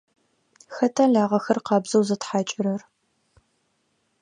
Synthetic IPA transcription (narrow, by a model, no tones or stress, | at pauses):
xɐtʰaːɮaːʁɐxɐrqɑːbz̥ɐwzɐtħaːt͡ʃʼɪɾɐr